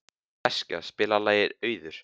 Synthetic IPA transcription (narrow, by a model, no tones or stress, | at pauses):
ɛska̰spɪːlalaːjɪɾœːɥðʏɾ̥